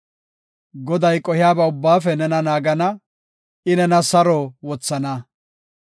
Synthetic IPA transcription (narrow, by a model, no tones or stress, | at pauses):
ɡɔd̪ɐjkʼɔhɪjaːbɐʊbːaːfɛnɛnɐnaːɡɐnɐ | ʔɪnɛnɐsɐɾɔwɔt͡sːɐnɐ